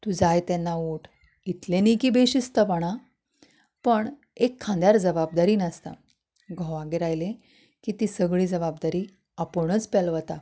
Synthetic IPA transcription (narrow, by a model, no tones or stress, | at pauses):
t̪ud͡zajt̪ɛnːauʈʰ | it̪lẽnikiːbeɕist̪əpəɽ̃a | pəɳ | ekʰːãnd̪jaɾd͡zəbab̚d̪aɾiːnəst̪a̰ | ɡʱɔ̃ʋaɡeɾajle | kiːt̪iːsəɡɭiːd͡zəbab̚d̪aɾiː | apəɳ̃ət͡spɛlʋət̪a